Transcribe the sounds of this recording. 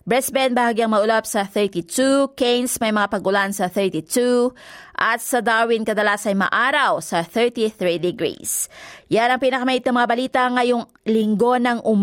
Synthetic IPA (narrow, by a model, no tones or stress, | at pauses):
bɹɛsbɛnbɐhaɡiɐŋmɐʊlapsɐθɛɹt̪it̪ukejnsmɐjmɐŋapɐɡʔʊlansɐθɛɹt̪it̪uʔɐt̪̚sɐd̪awɪnkɐd̪ɐlaːsɐjmɐ̰ʔaːɾɐwsɐθɛɹt̪iθɹid̪ɪɡɾḭsjanɐŋpiːnɐkɐmɐhit̪nɐŋmɐŋabɐliːt̪ɐŋɐjoŋ | lɪŋɡo̞nɐŋʔʊm